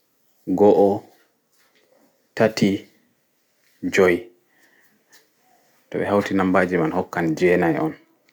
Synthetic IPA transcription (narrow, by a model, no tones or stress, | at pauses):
ɡɔʔɔ | tatʰi | d͡ʒɔj | tɔbɛhawtinambaːd͡ʒimanhɔkːand͡ʒɛːnajʔɔ̰n